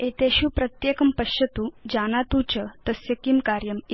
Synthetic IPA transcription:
et̪eɕupɾɐt̪jeːkɐmpɐɕjɐt̪ud͡ʑanat̪ut͡ɕɐt̪ɐsjɐkimkaːɾjɐmi

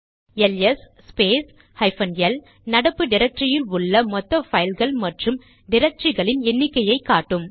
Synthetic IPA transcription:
ɛlɛsːpeːs | hɐɪfɐnjɐl | nɐɽɐpːɯɖɪɾɐk̚ʈɾɪjɪlʊɭːɐmɔt̪ːɐfɐjlɣɐɭmɐʈrɯm | ɖɪɾɐk̚ʈrɪɣɐɭɪnɛnːɪkːɐjɐɪkːaːʈːɯm

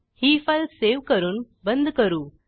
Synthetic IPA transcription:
hiːfɐlseːʋkɐɾun | bɐnd̪ɯkɐɾu

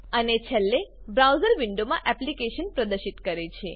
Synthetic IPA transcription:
ənet͡ʃʰɛlːe | bɾawzəɾʋiɳɖomãʔɛplikeʃənpɾəd̪əɾʃit̪kəɾet͡ʃʰe

